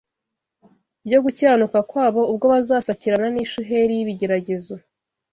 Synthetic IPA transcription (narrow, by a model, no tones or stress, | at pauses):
bɟo̞ɡucaːnukakwaːβo̞ub̚ɡo̞βazaːsaciɾananiːʃuɦeɾijiβiɟe̞ɾaɟe̞zo̞